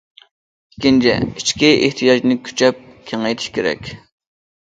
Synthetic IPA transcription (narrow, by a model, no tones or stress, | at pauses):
kʲːint͡ʃʰɪ̰it͡ʃkʲieht̪ʰijɑd͡ʒnɪkʲʰy̥t͡ʃʰɛp̚kʲʰeŋejt̪ʰɪ̥ʃkʲʰeɾɛ̰kʲ